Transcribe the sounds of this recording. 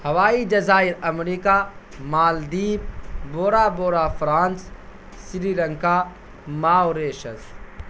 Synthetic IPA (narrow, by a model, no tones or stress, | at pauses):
hɐʋaːid͡ʒɐzaːɪɾɐmɾiːkaː | maːld̪iːb̚boːɾaːboːɾaːfɾaːns | siɾiːlɐŋkaː | maːoɾeːʃɐz